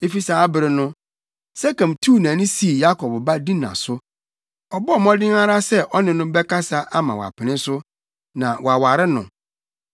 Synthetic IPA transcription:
e˦fi˦saː˨˦a˦bɪ˨ɾɪ˨nʊ̃˦ | sɛ˦kã˨mtʰu˦˨nã˨nɪ̃˦si˨˦˨ja˦kʰɔ˨bba˦dĩ˦nã̰˨sʊ˦ | ɔ˨bɔ˦ɔ˨mɔ̃˦dɪ̃˦ŋa˦ɾa˦sɛ˦ʔɔ˦nɪ̃˨nʊ̃˦bɛ˦ka˦sa˦ʔa˦mã̰˨wa̰˨pʰɪ˨nɪ̃˦sʊ˦ | nã˨wɔ˨a˨wa˨ɾɪ˦nʊ̃˨

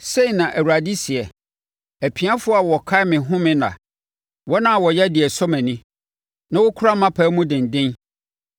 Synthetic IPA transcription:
se˦i˨nã˨ʔæ˨wu˨a˨di˦si˨ɛ˨ | æ˨pʰi˨a˦fʊ˦ɔ˦a˨wɔ˨kʰa˦mɪ̃˨ɦʊ̃˦mɪ̃˦nã̰˨ | wɔ˦nã˨wɔ˨jɛ˦dɪ˨ɛ˨sɔ˦mæ̃˨nɪ̃˦ | nã˦wʊ˦kʰʊ˦ɾa˦mã˦pʰæː˨˦mũ˦dɪ̃˨n˨dɪ̃˦n

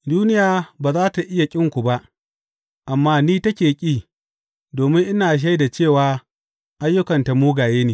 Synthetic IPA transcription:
duː˦nɪ˦jaː˨baː˨zaː˦ta˨ʔɪ˦ja˨kʲʼɪ˦ŋkʷu˨ba˦ʔ | ʔa˨mːaː˦niː˦tɐ˦kʲeː˨kʲʼiː˦˨ | doː˨mɪ˦ŋʔɪ˦naː˨ʃ̬a˦jda˨t͡ʃeː˦˨waː˨ | ʔa˦jːʊ˦kɐ˨nta˨muː˦ɡaː˨jeː˦neː˨

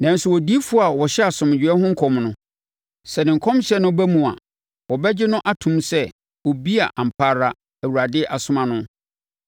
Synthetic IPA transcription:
nã˨n̩˦sʊ˨wɔ˨di˦fʊ˦a˨wɔ˨ɕɛ˦a˨sʊ̃˨m˨d͡ʑᶣɪ˨˦ɛ˦ɦʊ̃˦ŋ̩˦kʰɔ̃˨mnʊ̃˦ | sɛ˨nɪ̃˨ŋ̩˨kʰɔ̃˦mɕɛ˦nʊ̃˦bæ˦mũ˨a̰˨ | wɔ˨bɛ˦d͡ʑɪ˦nʊ̃˦ʔa˦tʰũ˦msɛ˦ | wɔ˨bi˦a˨ʔã˨m̩˨pʰaː˦ɾa˦ | æ˨wu˨ɾa˨dɪ˦ʔa˨sʊ̃˦mã˨nʊ̃˦

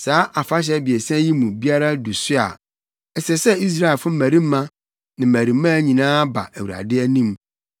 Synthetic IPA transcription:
saː˨˦ʔa˨fa˦ɕ̬ɛ˦bi˨ɛ˨sã˦ji˦mũ˨bi˦a˦ɾa˦du˨sʊ˦a̰˨ | ɛ˨sɛ˨sɛ˦i˦s̬ɾa˦ɪ˨fʊ̃˦m̩˦mæ̃˨ɾi˦m̩˦mã˦ | nɪ̃˨mæ̃˨ɾi˨˦mã˦˨˦ɲĩ˨nãː˦ba̰˨æ˨wu˨ɾa̰˨dɪ˦æ˦nĩ˦m

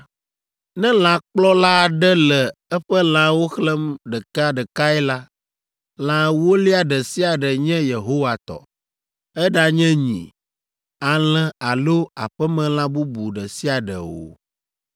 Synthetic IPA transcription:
nɛ̃˦l̃ã˨k͡plɔ˦la˦˨ɖɛ˦lɛ˨ɛ˦ɸɛ˦l̃ã˨˦wo˦xlɛ˦mɖɛ˨ka˦ɖɛ˨ka˦ɛ˦la˦ | l̃ã˨wo˦li˦a˨ɖɛ˨si˦a˨ɖɛ˨ɲɛ̃˦je˨ɦo˦wa˨t̪ɔ̰˨ | ɛ˦ɖa˦ɲɛ̃˦ɲḭ̃˨ | a˨lɛ̃˨a˨lo˦a˨ɸɛ˦mɛ̃˨l̃ã˦bu˦bu˨ɖɛ˨si˦a˨ɖɛ̰˨wo̰˨

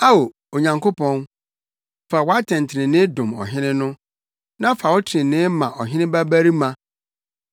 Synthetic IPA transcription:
a˦o˨ | o˨ɲã˨ŋko˦pʰɔ̃˦n | fa˨wa˦tʰɛ̃˨n˨tʰɪ˨ɾɪ̃˨nɪ̃˦dʊ̃˨mɔ̰˨ɦɪ̃˦nɪ̃˦nʊ̃˦ | nã˦fa˨wʊ˦tʰɪ̃˨nɪ̃˦mã˨ʔɔ˨ɦɪ̃˦nɪ̃˦ba˦bæ˦ɾi˦mã˨

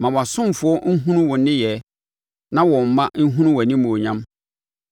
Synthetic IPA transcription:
mã˨wɔ˨a˨sʊ̃˦m˨fʊ˨˦ɔ˦ŋ̩˦ɦũ˦nũ˦wɔ˨˦nɪ̃˦jɛ˨˦ | nã˦wɔ̃˨m̩˨mã˦ŋ̩˦ɦũ˦nũ˦wɔ˨nĩ˦mũ˨o˨ɲã˦m

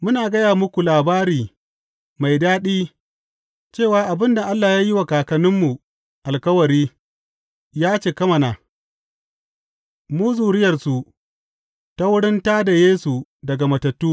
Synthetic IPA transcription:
mʊ˦naː˨ɡɐ˦jaː˨mʊ˦kʷu˨laː˨baː˦ɾiː˨ | ma˨jdaː˦ɗiː˦ | t͡ʃeː˦˨waː˨ʔa˨bɪ˦nda˨ʔa˦lːaː˨jaː˦ji˦wa˨kaː˨kɐ˨nɪ˦mːu˨ | ʔa˨lkɐ˦wɐ˨ɾiː˦ | jaː˦t͡ʃeː˨kɐ˦mɐ˨na˨ | muː˦zuː˨ɽɪ˦jɐ˨rsu˨ | ta˦wʊ˦ɽɪ˦ntaː˦da˨jeː˦su˨dɐ˨ɡa˨mɐ˨tɐ˨tːuː˦

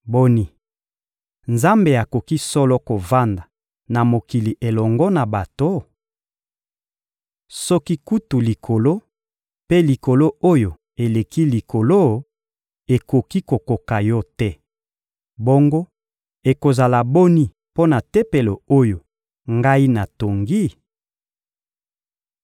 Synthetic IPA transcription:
bo˦ni˦ | nza˦mbe˨a˨ko˨ki˦sɔ˦lɔ˦ko˨va˦nda˨ | na˨mo˨ki˨li˨ʔe˨lɔ˨ŋɡɔ˦na˨ba˨to˦ | sɔ˦ki˦ku˦tu˨li˨kʰo˨lo˦ | pe˦li˨ko˨lo˦o˦jo˨ | e˨le˨ki˦li˨kʰo˨lo˦ | e˨ko˨ki˦ko˨ko˨ka˨jɔ˦tɛ˦ | bo˦ŋɡo˦ | e˨ko˨za˨la˨bo˦ni˦ | po˦na˨te˦pe˨lo˨o˦jo˨ | ŋɡa˦i˦na˨to˨ŋɡi˦

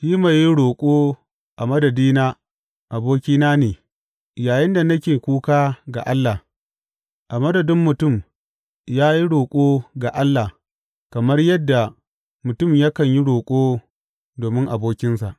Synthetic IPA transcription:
ʃiː˦ma˨ji˦ɽoː˨kʷʼoː˦ | ʔa˨mɐ˦dɐ˨diː˦naː˦ | ʔa˨boː˦kʲiː˦naː˦neː˨ | jaː˨jɪ˦nda˨nɐ˦kʲeː˨kʷuː˦kaː˦ɡa̰˨ʔa˦lːa˨ | ʔa˨mɐ˦dɐ˨dɪ˦mːʊ˨tʊ˦˨m | jaː˦ji˦ɽoː˨kʷʼoː˦ɡa˨ʔa˦lːa˨ | kɐ˨mɐ˦rjɐ˦dːa˨ | mʊ˨tʊ˦˨mja˦kɐ˨ɲji˦ɽoː˨kʷʼoː˦ | doː˨mɪ˦ŋʔa˨boː˦kʲɪ˦nsa̰˨ʔ

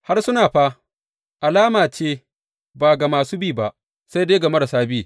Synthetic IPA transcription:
ha˦rsʊ˦naː˨ɸaː˦ | ʔa˨laː˦maː˨t͡ʃeː˦ | baː˨ɡa˨maː˨suː˦biː˦˨ba˨ʔ | sa˦jdeː˦ɡɐ˨mɐ˦da˨saː˦biː˦

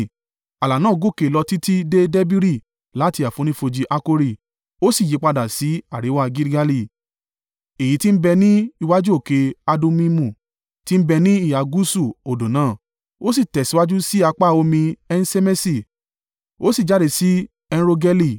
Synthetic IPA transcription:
a˨la˨nãː˦˨ɡo˦˨ke˨lɔ˧ti˦ti˦de˦de˦bi˦ɾi˦˨ | la˨˦ti˧˦a˨fõ˨˦ĩ˦fo˧d͡ʒi˧ʔa˦ko˦ɾi˦˨ | o˦si˦˨ji˨˦k͡pa˧da˨si˨˦a˦˨ɾi˨˦wa˦ɡi˦ɾɡa˧li˦˧˨ | e˨ji˨˦ti˦m̩˦bɛ˧nĩ˦i˧wa˦d͡ʒu˦o˦˨ke˧a˧do˧˦mĩ˦mũ˦˨ | ti˦m̩˦bɛ˧nĩ˦i˦˨ja˨ɡu˦su˦˨o˨do˨nãː˦˨ | o˦si˦˨tɛ˨si˨˦wa˦d͡ʒu˦si˦a˧k͡pa˦˨o˧mĩ˧ɛ˧n̩˦se˦me˦si˨ | o˦si˦˨d͡ʒa˨˦˨de˧˨si˨˦ | ɛ˧ñ˦ɾo˧ɡɛ˦li˦˨

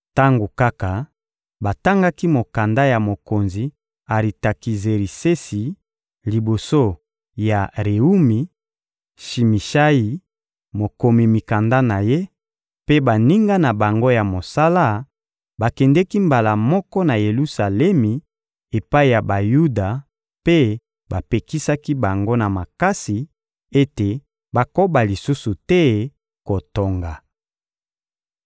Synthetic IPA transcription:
ta˦ŋɡo˨ka˦ka˨ | ba˨ta˦ŋɡa˦ki˦mo˨ka˨nda˦ja˨mo˨ko˨nzi˨ | a˨ʁi˨ta˨ki˨ze˨ʁi˨se˦si˨ | li˨bo˨so˦ | ja˨ʁe˨u˦mi˨ | ʃi˨mi˨ʃa˦ji˨ | mo˨ko˨mi˨mi˨ka˨nda˦na˨je˦ | pe˦ba˨ni˦ŋɡa˦na˨ba˨ŋɡo˦ja˨mo˨sa˦la˦ | ba˨kɛ˨ndɛ˦ki˦mba˨la˨mɔ˦kɔ˦na˨je˨lu˦sa˨lɛ˦mi˨ | e˨pa˦i˨ja˨ba˨ju˦da˨ | pe˦ | ba˨pe˨ki˦sa˦ki˦ba˨ŋɡo˦na˨ma˨ka˦si˨ | e˦te˨ | ba˨ko˦ba˨li˨su˦su˨tɛ˦ | ko˨to˨ŋɡa˨

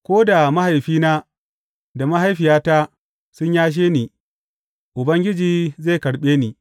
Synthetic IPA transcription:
kʷoː˦da˨ma˦ha˨jɸiː˦naː˦ | da˨ma˦ɦa˦jɸɪ˨jaː˦ta˦ | sʊ˦ɲjaː˦ʃ̬eː˦niː˨ | ʔʊ˨bɐ˦ŋɡʲɪ˦d͡ʒiː˨ze˦˨kɐ˨ɽɓeː˦niː˨

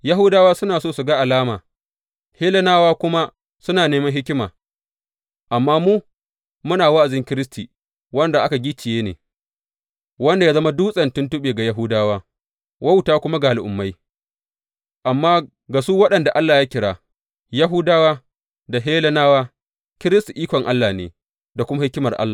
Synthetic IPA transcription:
ja˦ɦʊ˦daː˦waː˦sʊ˦naː˨soː˦˨su˨ɡa˦ʔa˨laː˦maː˨ | heː˦lɐ˦naː˦waː˦kʷʊ˦ma˦ | sʊ˦naː˨neː˦mɐ˦nɦɪ˦kʲɪ˦ma̰ː˨ | ʔa˨mːaː˦muː˦ | mʊ˦naː˨wa˦ʔa˨zɪ˦ŋkʲɪ˦ɾɪ˦s̬tiː˨ | wɐ˦nda˨ʔa˦ka˨ɡʲi˦t͡ʃɪ˨jeː˦nḛː˨ | wɐ˦nda˨jaː˦zɐ˦ma˦duː˦sʼɐ˨ntʊ˦ntʊ˦ɓeː˨ɡa˨ja˨ɦuː˦daː˦waː˦ | wɐ˦wtaː˦kʷʊ˦ma˦ɡaː˨lɪ˨ʔʊ˨mːa˦j | ʔa˨mːaː˦ | ɡa˨suː˦wɐ˦ɗɐ˨nda˨ʔa˦lːaː˨ja˦kʲɪ˨ɽaː˨ | ja˦ɦʊ˦daː˦waː˦ | da˨ɦeː˦lɐ˦naː˦waː˦ | kʲɪ˦ɾɪ˦sti˨ʔiː˦kʷɔ˨ŋʔa˦lːaː˨nḛː˨ | da˨kʷʊ˦ma˦hɪ˦kʲɪ˦mɐ˨rʔa̰˦lːa˨

